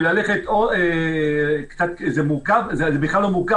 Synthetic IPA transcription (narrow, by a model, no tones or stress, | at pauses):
laleχet̪oe | kt͡sat̪zemuʁkavzezebiχlalːo̞muʁka